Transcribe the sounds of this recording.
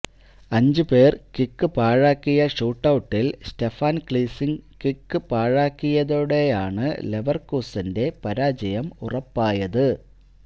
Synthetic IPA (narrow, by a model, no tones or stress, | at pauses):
ɐɲd͡ʑɨpeːrkikːɨpaːɻaːkːijɐʂuːʈːɐwuʈːilste̞faːnkɭiːsiŋkikːɨpaːɻaːkːijɐðoːɽe̞jaːɳɨle̞ʋɐrkuːsinde̞pɐɾaːd͡ʑɐjɐmurɐpːaːjɐðɨ